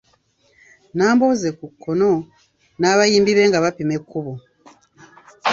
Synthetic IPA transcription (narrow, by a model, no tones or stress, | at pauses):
naːmbo̞ːze̞kukːono̞ | naːβajiːmbiβe̞ːŋɡaβapime̞kːuβo